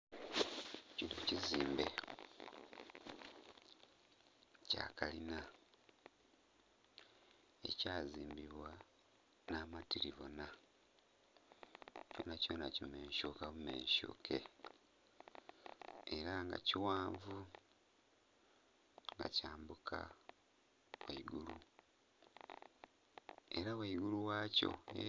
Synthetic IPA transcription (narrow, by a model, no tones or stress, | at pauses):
cinociziːmbe̞ | ca̰ːkalina | e̞̰caziːmbiβwa | naːmatiɾiβo̞na | co̰ːnacoːnacime̞ːɲʃokaβume̞̰ːɲʃo̰kʰe̞̰ | eɾaŋɡa̰ciwaːɱvu | ŋɡa̰caːmbukʰa̰ | waiɡulu | e̞ɾawaiɡuluwaːco̞̰e